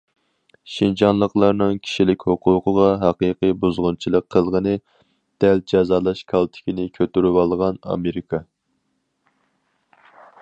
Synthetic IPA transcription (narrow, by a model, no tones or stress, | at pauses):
ʃint͡ʃʰɑnlˠəqlˠɑɾnɨŋkʲʰi̥ʃilɪkʲhʊqʰuːqʰəʁɑɦɑqəːqibuzʁʊnt͡ʃʰilˠəqʰːəlˠʁənɨ | d̪̥ɛld͡ʒɑzɑlˠɑʃkʰɑlˠt̪ʰɪ̥kʲinɪkʲʰøt̪yɾywɑlˠʁɑnɑ̰meɾɪkʰɑ